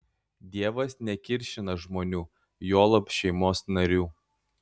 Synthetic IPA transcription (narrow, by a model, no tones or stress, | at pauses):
d̪ʲiɛʋɐsnʲɛkʲɪɾʲʃʲɪnɐʒmoːnʲuː | joːlˠɐpʃʲɛɪmoːsnɐɾʲuː